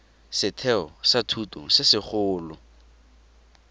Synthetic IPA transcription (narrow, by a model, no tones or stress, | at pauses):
sɪtʰɛɔsatʰutʊ̰sɪsɪχʊːlʊ